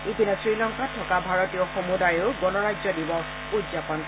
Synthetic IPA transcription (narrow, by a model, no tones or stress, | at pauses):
ipinɔsɹilɔŋkatʰɔkabʱaɹɔtijɔxomudajeʊɡɔnɔɹajzɔdibɔ | udzapɔn